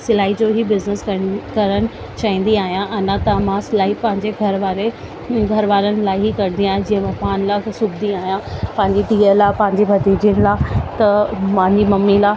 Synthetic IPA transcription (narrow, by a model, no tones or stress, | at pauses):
sɪlaːid͡ʑoɦibɪznəskɐkɐɾənɪ̆ | t͡ɕaːɦĩːn̆d̪iaːɦijãʔɐnãt̪ɐmãsɪlaːipɐ̃ɦɪ̃ɲd͡ʑeɡʱɐɾʋaːɾe | ɡʱɐɾʋaːɾənɪ̆laːɪɦikɐɾ̃nd̪ijãːɦɪ̃d͡ʑĩːə̃mẽpaːnlaːsʊbd̪iaːɦijãpɐ̃ɦɪ̃ɲd͡ʑid̪iːəlaːpɐ̃ɦɪ̃ɲd͡ʑibʱɐd̪iːd͡ʑiənɪlaːt̪ɐmãɦɪ̃ɲd͡ʑimɐmːilaː